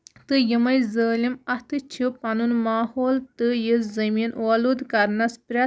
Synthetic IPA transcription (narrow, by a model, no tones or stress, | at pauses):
t̪ɨjimɐjzəːlimɐt̪ɨt͡ʃʰipɐnunmaːhoːlt̪ɨjiszɐmiːnwɐlud̪kɐɾnɐspɾʲɐ